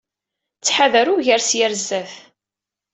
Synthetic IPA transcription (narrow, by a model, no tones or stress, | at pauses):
t͡sːħaðəɾuʝəɾsjæɾzːæθ